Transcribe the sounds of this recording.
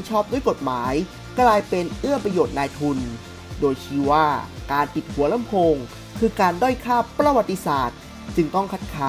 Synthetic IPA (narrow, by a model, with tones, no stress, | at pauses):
nt͡ɕʰɔː˥˩p̚du˥˩əjko˨˩t̪̚maː˩˦j | klaː˧jpe˧nʔɯ˥˩ɐpɾa˧joː˨˩t̪̚naː˧jt̪ʰu˧n | doː˧jt͡ɕʰiː˧˥˩waː˥˩kaː˧npi˨˩t̪̚hu˩˦ɐla˧˥˦mpʰoː˧ŋ | kʰɯː˧kaː˧ndɔ˥˩jkʰaː˥˩pɾa˧wa˨˩t̪ːi˧saː˨˩t̪̚ | t͡ɕɯ˧ŋt̪ɔ˥˩ŋkʰa˦˥t̪̚kʰaː˦˥